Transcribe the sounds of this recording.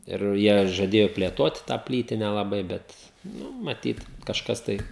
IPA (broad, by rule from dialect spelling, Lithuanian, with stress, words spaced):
ɪr ˈjiɛ ʒɐˈdʲeːjoː pʲlʲeːˈtoːt tɑː ˈpʲlʲiːtʲɪnʲɛ lˠɐˈbɐɪ ˈbʲɛt nʊ mɐˈtʲiːt kɐʃˈkɐs tɐɪ